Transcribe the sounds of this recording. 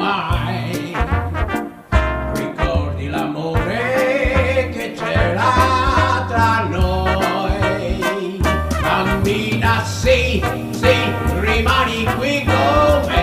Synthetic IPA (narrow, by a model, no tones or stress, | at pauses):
aj | rikɔrd̪ilamoːɾe | ket͡ʃɛla | t̪ɾanɔj | kamːinasi | sirimanikwikome